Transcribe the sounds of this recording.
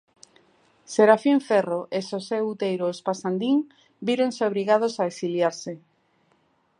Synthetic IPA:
seɾafiɱfɛroʔesoseut̪ejɾospasand̪iŋ | biɾonseoβɾiɣað̞osaeksiljaɾse

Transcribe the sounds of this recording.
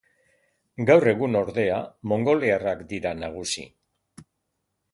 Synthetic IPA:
ɡawre̞ɣuno̞ɾðe̞amo̞ŋɡo̞learakd̪iɾanaɣ̞usḭ

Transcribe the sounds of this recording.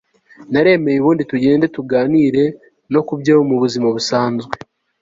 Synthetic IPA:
naɾe̞ːme̞juβuːndituɟe̞ːnde̞tuɡaːniɾe̞ | no̞kubɟaβomuβuzimaβusaːnzɡwe̞

